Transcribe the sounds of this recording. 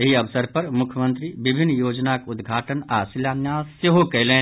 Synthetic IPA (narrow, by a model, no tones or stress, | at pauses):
ɦiɐʋsəɾpɐɾmʊkʰjəmə̃nt̪ɾibɪbʱɪnːjoːd͡ʒnakʊd̪ɡʱaːʈənaːsiljaːnjaːseɦokɛlẽː